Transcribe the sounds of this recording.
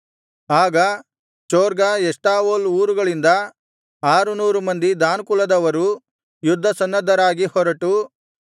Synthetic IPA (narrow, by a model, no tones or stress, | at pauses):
aːɡɐ | t͡ʃoːɾɡaɛʂʈaːʋoluːɾuɡɐɭind̪ɐ | aːɾunuːɾumɐnd̪id̪aːnkulɐd̪ɐʋɐɾu | jud̪ʱːɐsɐnːɐd̪ʱːɐɾaːɡihɔɾɐʈu